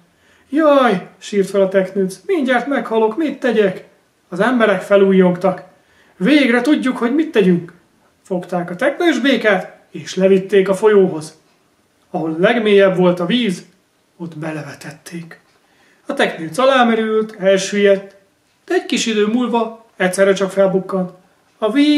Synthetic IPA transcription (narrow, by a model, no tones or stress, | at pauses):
jɒjʃiːrt̪fɛlɒt̪ɛknysmiɲɟart̪mɛkhɒlo̞kmit̪ːɛɟɛk | ɒzɛmbɛɾɛkfɛluːjːo̞ŋkt̪ɒk | veːɡrɛt̪uɟːukho̞ɟmit̪ːɛɟyŋk | fo̞kt̪aːkɒt̪ɛknøːʒbeːkaːt̪ | eːʃlɛvit̪ːeːkɒfo̞joːɦo̞z | ɒɦo̞llɛɡmeːjɛbvo̞lt̪ɒviːz | ot̪bɛlɛvɛt̪ɛt̪ːeːk | ɒt̪ɛknilzɒlaːmɛɾylt̪ɛlʃøːjɛt̪ | d̪̥ɛɛckiʃid̪øːmuːlvɒ | ɛctsɛrːɛt͡ʃɒkfɛlbukːɒnt̪ | ɒviː